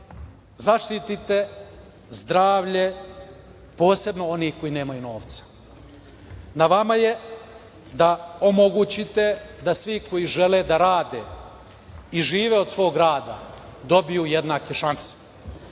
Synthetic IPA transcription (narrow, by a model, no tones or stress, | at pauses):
zaʃt̪it̪it̪e̞ | zd̪ɾaːʋʎe̞ | po̞ːse̞bno̞o̞nihko̞jine̞ːmajuno̞ːʋt̪sḁ | naʋamaje̞ | d̪aomoɡut͡ɕit̪e̞d̪asʋiko̞jiʒe̞led̪aɾaːd̪e̞ | iʒiːʋeo̞d̪sʋo̞ːɡɾaːd̪a̰d̪o̞bijuje̞d̪naːke̞ʃanse̥